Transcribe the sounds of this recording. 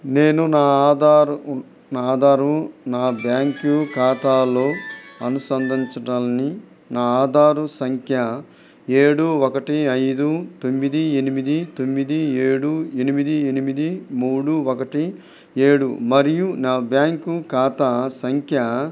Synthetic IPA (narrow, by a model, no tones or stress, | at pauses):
neːnunaːaːd̪aːɾu | naːd̪ʱaːɾunaːbjaːŋkukaːt̪aːlo̞ːɐnusɐnd̪ʱiɲt͡ʃɐʈaːni | naːaːd̪ʱaːɾusɐŋkʰjɐ | e̞ːɽuɔkɐʈiɐjd̪ut̪omːid̪ienimid̪it̪omːid̪ieːɽue̞nimid̪ienimid̪imuːɽuɔkɐʈi | e̞ːɽumɐɾijunaːbjaːŋkukaːt̪asɐŋkʰjɐ